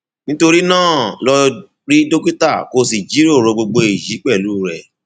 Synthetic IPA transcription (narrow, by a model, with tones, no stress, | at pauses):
nĩ˦to˧ɾi˦nãː˦˨lɔ˧ | ɾi˦do˦ku˦ta˦˨ko˧s̬i˨d͡ʒi˨˦ɾi˦o˦˨ɾõ˨˧ɡ͡bo˧ɡ͡bo˧i˨ji˨˦k͡pɛ˦˨luː˦˨ɾɛ˨